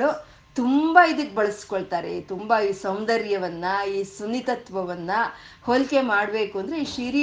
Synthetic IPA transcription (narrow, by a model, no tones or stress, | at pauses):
u | t̪umbɐid̪ɐkːebɐɭɐskoɭt̪aːɾḛt̪umbɐiːsɐm̃d̪ɐɾjɐʋɐnːɐiːsunːit̪ɐt̪ʋɐʋɐnːɐholke̞maːɽbe̞ːkuɐnd̪ɾeiʂiːɾ